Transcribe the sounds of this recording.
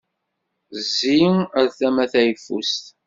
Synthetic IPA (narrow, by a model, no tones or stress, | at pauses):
zːiæɾθæmæθæjəfːṵst̪